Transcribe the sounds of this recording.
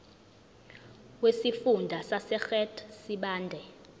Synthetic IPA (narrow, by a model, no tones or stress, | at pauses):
wesifundʱasasɛxɛtʰsiɓaːndʱɛ